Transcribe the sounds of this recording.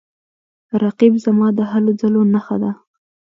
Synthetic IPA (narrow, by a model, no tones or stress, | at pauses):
ɾaqibzamɑd̪əɦalod͡zalonaxa̰d̪a